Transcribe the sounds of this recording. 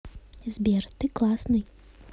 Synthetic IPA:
zʲbʲɛrt̪ɨklˠasnɨj

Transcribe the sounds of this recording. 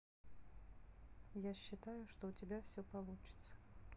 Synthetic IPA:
jaɕːɪt̪ajʊʂt̪oʊtʲɪbʲafsʲopɐlˠut͡ɕɪ̥t̪sə̥

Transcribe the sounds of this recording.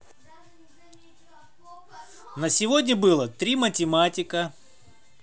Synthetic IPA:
nəsʲɪvodʲnʲəbɨlˠət̪ɾʲimətʲɪmatʲɪkə

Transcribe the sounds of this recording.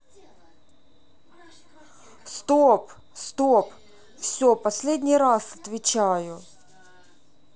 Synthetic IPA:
st̪op | st̪op | fsʲopɐsʲlʲedʲnʲɪjɾasɐt̪vʲɪt͡ɕæjʊ

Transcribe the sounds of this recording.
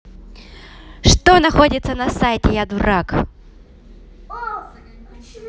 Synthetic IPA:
ʂt̪onɐxo̞dʲɪt̪sənɐsajtʲɪjad̪ʊɾak

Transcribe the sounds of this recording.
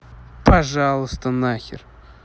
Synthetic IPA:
pɐʐɑlˠəst̪ənaxʲɪ̰r

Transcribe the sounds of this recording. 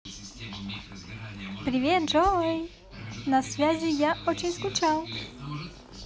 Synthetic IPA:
pɾʲɪvʲet̪ʐoj | nɐsvʲazʲɪjaʔot͡ɕɪnʲskʊt͡ʃalˠ

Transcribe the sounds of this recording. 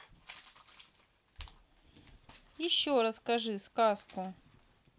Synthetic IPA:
jɪɕːoɾɐskɐʐɨskaskʊ

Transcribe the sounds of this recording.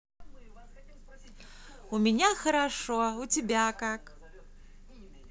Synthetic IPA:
umʲinʲaxɐɾaʂɔut͡sʲibʲakak

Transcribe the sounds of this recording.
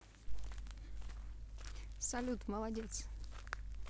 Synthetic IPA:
salut̪mawad͡ʑet͡s

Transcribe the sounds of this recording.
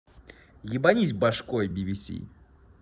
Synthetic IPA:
jɪbɐnʲis̬ʲbɐʂkoɔjbʲibʲisʲḭ

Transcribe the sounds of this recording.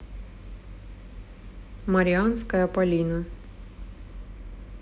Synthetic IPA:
mɐɾʲɪɑnskɐjɐpɐlʲinɐ

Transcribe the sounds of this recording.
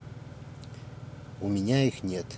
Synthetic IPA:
umʲinʲaixnʲet̪

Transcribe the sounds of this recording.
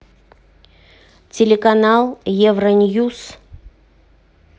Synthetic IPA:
tʲelʲekanɑlˠjevrənʲjus

